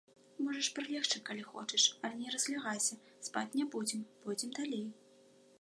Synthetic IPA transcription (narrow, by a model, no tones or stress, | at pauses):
mɔʐɐʂpɾɨlʲɛxt͡ʂɨkalʲixɔ̰t͡ʂɛʂɐlʲnʲɛɾɐzʲlʲaɣajsʲɐ | spa̰t͡sʲnʲabud͡zʲɛmb̥ud͡zʲɛmd̪alʲej